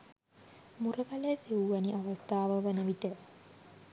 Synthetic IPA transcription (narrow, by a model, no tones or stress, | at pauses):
murəkalesiwuʋaniʔaʋast̪aːʋəʋənəʋiʈə